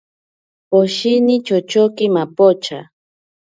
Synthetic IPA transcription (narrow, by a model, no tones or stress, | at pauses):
poʃinɪt͡ʃot͡ʃokɪmapot͡ʃa